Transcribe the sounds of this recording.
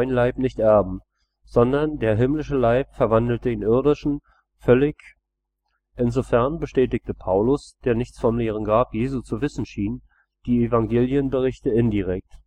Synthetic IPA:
ɪnlaɪpnɪçtʔɛɐbm̩ | z̥ɔndɐndeːɐɦɪmlɪʃəlaɪpfɛɐvandl̩təeːnʔɪɐdɪʃn̩ | fœlɪç | ʔɪnzofɛɐnbəʃtɛːtɪk̚təpʰaʊlʊsd̥eːɐnɪçt͡sfɔmleːʁ̞ənɡʁaːpjeːzut͡suvɪsn̩ʃiːn | d̥iːefaŋɡeːljənbəʁ̞ɪçtəɪndiʁ̞ɛk̚t

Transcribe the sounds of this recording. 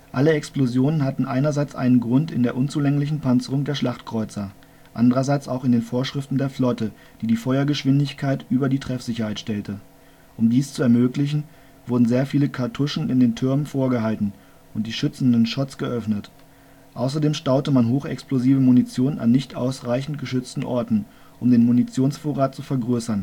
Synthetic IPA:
ʔaləɛksplozjoːnənhatn̩ʔaɪnɐzaɪt͡sʔa̰ɪnənɡʁʊntɪ̰ndeːɐʔʊnt͡suːlɛŋlɪç̬n̩pʰant͡səʁʊŋdeːɐʃlaχtkʁ̥ɔʏt͡sɐ | ʔa̰ndəʁɐzaɪt͡sa̰ʊxɪndeːnfoːɐʃʁ̥ɪftn̩deːɐflɔtə | d̥iːdiːfɔʏɐɡəʃv̥ɪndɪçkʰaɪtʔyːbɐdiːtʁ̥ɛfz̥ɪçɐhaɪtʃtɛltə | ʔʊmdiːst͡suɛɐmøːklɪçn̩ | v̥ʊɐdn̩zeːɐfiːləkʰaɐtʰʊʃn̩ɪndeːntʰʏɐmənfoːɐɡəɦaltn̩ | ʔʊnt̚d̥iːʃʏt͡sn̩dənʃɔt͡sɡ̥əʔœfnət | ʔaʊs̬ɐdeːmʃtaʊtəmanɦoːxɛ̰ksploziːvəmunit͡sjoːnəna̰nːɪçtʔa̰ʊsʁaɪçn̩t̚ɡ̥əʃʏt͡stn̩ʔɔɐtn̩ | ʔʊmdeːnmunit͡sjoːnsfoːʁaːt̚t͡sufɛɐɡʁøːsɐn

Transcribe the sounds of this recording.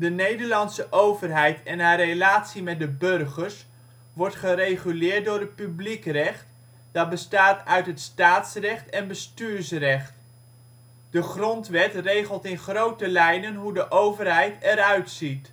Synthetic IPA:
dənejdəɹlɑnsəʔowvərɦɛjtɛnaːrelaːtsimɛt̚dəbɵrχəɹs | ʋɔɹtχərejχylɪːɹt̚dʊːɾət̚pyblikrɛχt | d̥ɑt̚bəstaːtœɥtɦətstaːtsrɛχtɛnbəstyːɹsrɛχt | d̥əχrɔntʋɛtrejχəlˠtɪnχrowtəlɛjnənɦudəʔowvərɦɛjtɛɾœɥtsit

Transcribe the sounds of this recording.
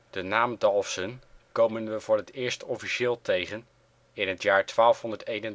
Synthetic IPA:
d̥ənaːmdɑlˠfsənkowmənʋəvʊːɹɦətɪːɹstɔfiʃɪːlˠtejχən | ɪnɦətjaːɹtʋaːlˠfɦɔndəɹtejnən

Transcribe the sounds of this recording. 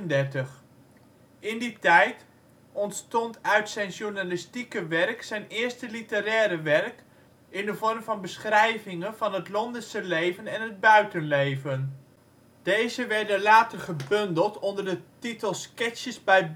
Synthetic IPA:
əndɛrtəχ | ɪnditɛjt | ɔntstɔntœɥtsɛjnʃuɹnalɪstikəʋɛrksɛjnɪːɹstəlitəɾɛːɾəʋɛrk | ɪndəvɔrmvɑnbəsχrɛjvɪŋənvɑnɦətlɔndəsəlejvənɛnɦəd̚bœɥtənlejvən | d̥ejzəʋɛɹdənlaːtərχəbɵndəlˠtɔndəɹdətitəlˠskɛt͡ʃəzbɛj

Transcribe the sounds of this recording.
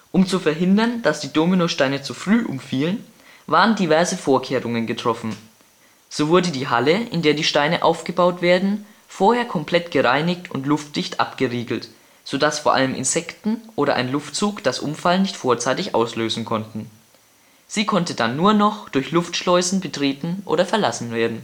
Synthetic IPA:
ʔʊmt͡sufɛɐɦɪndɐnd̥asd̥iːdoːminoʃtaɪnət͡sufʁ̥yːʔʊ̰mfiːlən | vaːʁəndivɛɐzəfoːɐkʰeːʁʊŋənɡətʁ̥ɔfn̩ | z̥oːvʊɐdədiːɦaləʔɪ̰ndeːɐdiːʃtaɪnəʔa̰ʊfɡ̥əbaʊtv̥eːɐdn̩ | foːɐheːɐkʰɔmplɛtɡ̥əʁaɪnɪçtʰʊ̰ntlʊftl̥ɪçtʔa̰pɡ̥əʁiːɡl̩t | z̥oːdasfoːɐʔa̰ləmʔɪ̰nzɛktn̩ʔoːɾɐʔaɪnlʊftt͡suːkd̥asʔʊ̰mfalnɪçtfoːɐt͡saɪtɪçʔa̰ʊsløːzn̩kʰɔntn̩ | z̥iːkʰɔntədanːuːɐnɔχd̥ʊɐçlʊftʃlɔʏzn̩bətʁ̥eːtn̩ʔo̰ːɾɐfɛɐlasn̩veːɐdn̩

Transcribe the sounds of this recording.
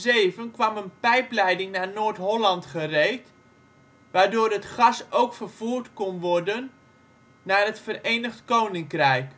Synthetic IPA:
zeːvənkʋamənpɛjplɛjdɪŋnaːnoːtɦolɑntχəreːt | ʋaːdoːrətχɑsowkfərv̥uːrtkonʋɔrdənː | aːrətfəreːnəχtkownɪŋkrɛjk

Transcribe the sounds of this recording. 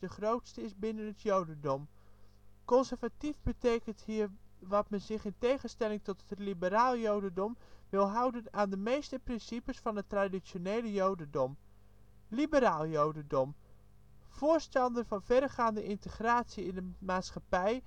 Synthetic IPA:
dəχrowtstəɪsbɪnənətʰjowdəndɔm | kɔnsərvativbəteːkənthiːərʋɔtmɛnzɪχɪntejχənstɛlɪŋtɔtətlibəɾaːlˠjowdəndɔmʋɪlˠɦʌwdənaːndəmejstəprɪnsipəsfɑnətradisjonejləjowdəndɔm | libəɾaːlˠjowdəndɔm | foːɹstɑndənfɑnfɛrχaːndəʔɪntəχraːtsiɪndəmaːtsxapɛj

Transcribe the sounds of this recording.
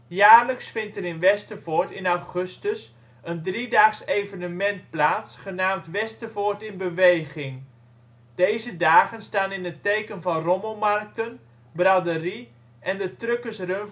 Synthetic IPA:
jaːrləksfɪntəɾɪnʋɛstəfɔɹtɪnawχɵstəs | əndridaːχsejvənəmɛnt̚plaːtsχənaːmtʋɛstəfɔrtɪnbəʋejχɪŋ | dejzədaːχənstaːnɪnətejkənvɑnromomark̚tən | bradəri | ʔɛndətrøkəsrøn

